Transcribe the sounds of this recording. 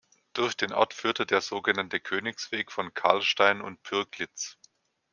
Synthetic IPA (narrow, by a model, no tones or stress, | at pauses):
d̥ʊɐçd̥eːnʔɔ̰ɐtfyːɐtədeːɐzoːɡənantəkʰøːnɪksv̥eːkfɔnkʰa̰ɐlʃtaɪnʊ̰nt̚pʰʏɐklɪt͡s